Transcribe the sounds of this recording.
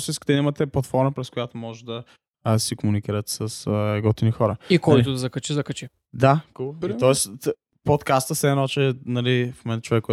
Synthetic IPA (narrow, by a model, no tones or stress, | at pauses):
siskə̥t̪ɛnimət̪ɛplˠɐt̪fɔɾməpɾɛskʊjat̪omɔʒɛd̪ɐ | sikʊmunikiɾət̪sɐsɡɔt̪inixɔɾəikɔjt̪ʊd̪ɐzɐkɐt͡ʃizɐkɐt͡ʃi | d̪akulˠoiɔɛs | pot̪kast̪əsɛnɔt͡ʃɛnɐlifmomɛ̃nt̪ə̥t͡ʃovɛkːɔ